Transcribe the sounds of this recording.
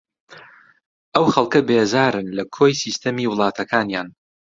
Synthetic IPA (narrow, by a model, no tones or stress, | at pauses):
ʔɐwxɐlˠkɐbeːzaːɾɨnlɐkʰoːjsiːst̪ʰɐmiːwɨlˠɑːt̪ʰɐkʰaːnjaːn